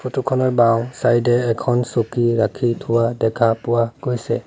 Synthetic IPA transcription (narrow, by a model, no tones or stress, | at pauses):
fʰotukʰɔnɔɹbawsajdɛːkʰɔnsokiɹakʰitʰʊwadɛkʰapʊwaɡ̥ojsɛ̰